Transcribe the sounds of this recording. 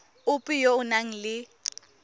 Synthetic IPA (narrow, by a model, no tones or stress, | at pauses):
ʊpʼijoʊnaŋ̩lɪ